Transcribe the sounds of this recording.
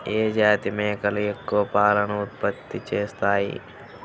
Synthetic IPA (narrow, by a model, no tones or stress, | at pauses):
eːd͡ʒaːt̪imẽːkɐlekːoːpaːlənʊt̪̚pət̪ːit͡ʃeːst̪aːḭː